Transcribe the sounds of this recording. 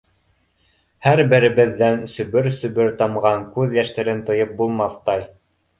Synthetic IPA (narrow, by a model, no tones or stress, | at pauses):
hæɾbɘ̆ɾɘ̆βɘ̆ðːænsɵ̆βɵɾsɵ̆βɵɾt̪ɑmʁɑŋkʉðjæʃt̪æɾɘnt̪ɤ̆jɤp̚bulˠmɑθt̪ɑj